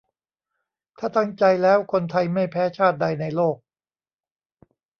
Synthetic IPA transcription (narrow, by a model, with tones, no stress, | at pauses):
t̪ʰaː˥˩t̪a˥˩ŋt͡ɕa˧jlɛː˦˥wkʰo˧nt̪ʰa˧jma˥˩jpʰɛː˦˥t͡ɕʰaː˥˩t̪̚da˧jna˧jloː˥˩k̚